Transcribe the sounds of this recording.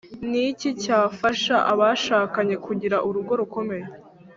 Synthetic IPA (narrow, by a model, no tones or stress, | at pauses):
nicicaːfaʃaʔaβaʃaːkaɲe̞kuɟiɾaʔuɾuɡo̞ɾuko̞me̞je